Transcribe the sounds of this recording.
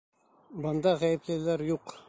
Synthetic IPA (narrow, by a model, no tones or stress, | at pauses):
bɤ̆nd̪ɑʁæjɘ̆plɘ̆læɾjuq